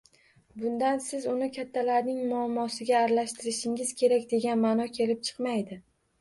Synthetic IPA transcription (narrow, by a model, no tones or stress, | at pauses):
bʊnd̪ansɪzʊnɪkʲʰat̪ʰːalaɾnɪŋmʊamːɒsɪɡʲaːɾlaʃt̪ʰɪɾɪʃɪŋɪz̥kʲʰe̞ɾakʲd̪e̞ɡʲanmanɒkʲʰe̞lɪp̚t͡ʃʰɨ̥qmajd̪ɪ